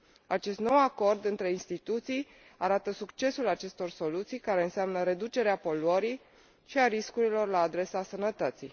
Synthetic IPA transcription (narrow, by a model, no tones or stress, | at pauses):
at͡ʃe̞st̪no̞wako̞rd̪ɨnt̪ɾe̞inst̪it̪ut̪sij | aɾat̪əsukt͡ʃe̞sulat͡ʃe̞st̪o̞rso̞lut̪sijkaɾe̞ɨnseamnəɾe̞d̪ut͡ʃe̞ɾeapo̞luəɾij | ʃiaɾiskuɾilo̞rlaːd̪ɾe̞sasənət̪ət̪sij